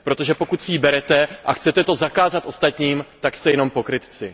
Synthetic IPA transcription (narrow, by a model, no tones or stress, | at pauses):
pɾo̞t̪o̞ʒɛpo̞kut̪sjiːbɛɾɛt̪ɛʔaxt͡sɛt̪ɛt̪o̞zakaːzat̪ʔo̞st̪at̪ɲiːmt̪akst̪ɛjɛno̞mpo̞kɾɪt̪t͡sɪ